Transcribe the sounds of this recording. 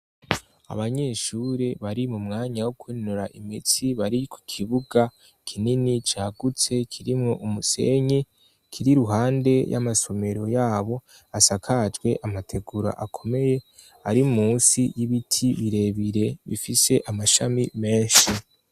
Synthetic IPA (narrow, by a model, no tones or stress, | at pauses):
a̰βaɲe̞ʃuːɾe̞βaɾimumŋaːɲawokwinuɾaʔimit͡siβaɾiku̥kʰiβuɡa | kʰininit͡ʃaːɡut͡se̞kʰiɾimŋo̞ʔumuse̞̰ɲe | kʰiɾiɾuɦaːnde̞jʔa̰maso̞me̞ɾo̞jaːβo̞ | asakʰad͡ʒɡwe̞ʔamatʰe̞ɡuɾa̰ʔakʰome̞je̞ | aɾiumuːnsijiβitʰiβiɾe̞βiɾe̞βḭfise̞ʔamaʃamime̞ːnʃi